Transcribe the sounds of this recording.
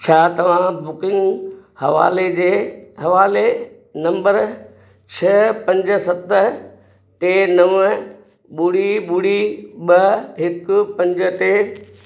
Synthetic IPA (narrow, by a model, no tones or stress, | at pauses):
t͡ɕʰaːt̪ɐʋ̤ãbʊkɪ̃ŋɡhɐʋa̰ːled͡ʑeːhɐʋaːle | nɐ̃mbəɾ | t͡ɕʰɐpɐ̃ɲd͡ʑə̆sɐt̪ə | ʈ̪enɐʋə | ɓʊɽiɓuɽiɓɐɦɪkʊpɐ̃ɲd͡ʑə̆t̪e